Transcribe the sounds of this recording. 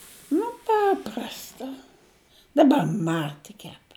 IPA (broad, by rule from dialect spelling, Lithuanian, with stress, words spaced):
nʊ ˈpɑːprɐstɐ dɐˈbɐr ˈmɐ tʲɪk kʲɛp